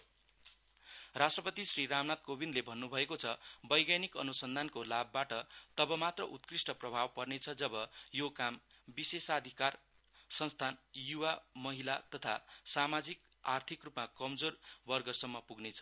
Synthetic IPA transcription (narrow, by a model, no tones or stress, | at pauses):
rasʈrʌpʌt̪isriɾamnat̪̚kobind̪lebʱʌnːubʱʌekot͡sʰʌbʌjɡjanikʌ̰nusʌnd̪ʱankolabːaʈʌt̪ʌbʌmat̪rʌʔut̪krisʈʌprʌbʱawpʌrnet͡sʰʌd͡zʌbʌjokam | bisesad̪ʱikar | sʌnst̪ʰanjuwamʌɦilat̪ʌt̪ʰa̰samad͡zik̚ | art̪ʰikrupmakʌmd͡zorbʌrɡʌsʌmːʌpuɡnet͡sʰʌ̥